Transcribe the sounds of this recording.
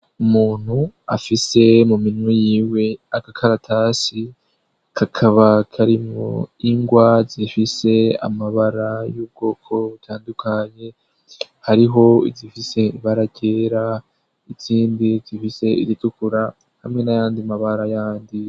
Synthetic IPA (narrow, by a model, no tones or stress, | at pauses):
umuːn̥hua̰fise̞muminwijiːwe̞akakʰaɾatʰasi | kʰakʰaβakʰaɾimŋoiŋɡwazifise̞a̰maβaɾajuːb̚ɡo̞ːkʰo̞βutʰaːndukʰaɲe̞ | haɾiɦo̞ḭzifise̞iβaɾaɟe̞ɾa | it͡siːndizifise̞ḭɾitukuɾa | hamŋe̞najaːndimaβaɾajaːndi